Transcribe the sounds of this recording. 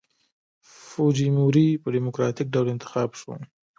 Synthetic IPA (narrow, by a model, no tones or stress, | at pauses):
fod͡ʒimuɾipəɖimʊkɾɑt̪ɪk̚ɖawlɪnt̪ɪ̥xɑbʃo̰